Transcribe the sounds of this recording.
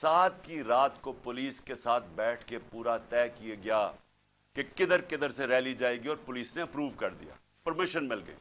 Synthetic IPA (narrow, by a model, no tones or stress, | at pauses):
saːt̪kiɾaːt̪kopʊliːskesaːt̪ʰbɛːʈʰkepuːɾat̪ɛːkieɡɪjaː | kekɪd̪əɾkɪd̪əɾseɾɛːlid͡ʒaːeɡiɔːɾpʊliːsneɐpɾuːʋkɐɾd̪ḭja̰ː | pɐɾmɪʃənmɪlɡə̰ḛː